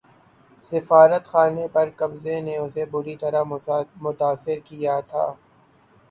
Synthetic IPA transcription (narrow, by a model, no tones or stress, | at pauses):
sɪfaːɾət̪xaːnepɐɾkɐbzeneʊsebʊɾit̪ɐɾamʊt̪aːsːɪɾkijat̪ʰa̰ː